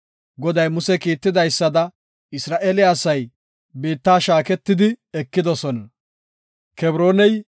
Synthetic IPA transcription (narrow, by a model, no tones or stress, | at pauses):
ɡɔd̪ɐjmʊsɛkiːt̪ːɪd̪ɐjsːɐd̪ɐ | ɪsɾaːʔeːlɪːsɐj | biːt̪ːaːʃaːkɛt̪ːɪd̪ɪɛkːɪd̪ɔsɔnɐ | kɛbɾo̞ːnɛj